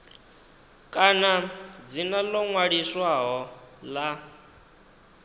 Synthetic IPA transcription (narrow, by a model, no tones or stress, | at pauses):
kʼanad͡zinalɔŋwaɺiswaɦɔla